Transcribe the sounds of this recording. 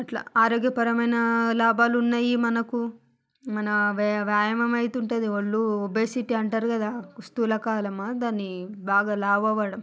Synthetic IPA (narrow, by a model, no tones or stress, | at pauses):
ɐʈla̰ːaːɾoːɡjɐpɐɾɐmɐjnɐlaːbaːlunːaːjimɐnɐku | mɐnɐʋʋjaːjɐmɐmɐjit̪uɳʈund̪iʋɐɭːuobeːsiʈiɐɳʈaːɾukɐd̪aːkust̪uːlɐkaːlɐmad̪aːnːibaːɡaːlaːbɐːʋɐːɽɐm